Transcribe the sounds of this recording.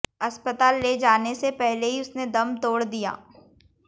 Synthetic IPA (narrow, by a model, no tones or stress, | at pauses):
ɐspət̪aːlːed͡ʒaːnesepɛɦleɦiʊsned̪ɐmt̪oːɽd̪ija̰ː